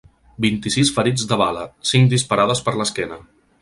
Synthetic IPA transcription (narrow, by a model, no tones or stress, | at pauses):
bint̪isisfəɾid͡zd̪əβaləsiŋkd̪ispəɾað̞əspəɾləskɛnə